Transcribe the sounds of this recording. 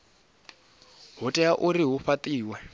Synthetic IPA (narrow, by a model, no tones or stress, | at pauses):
ɦutʼɛjaʔuɾiɦuɸat̪ʼiːwɛ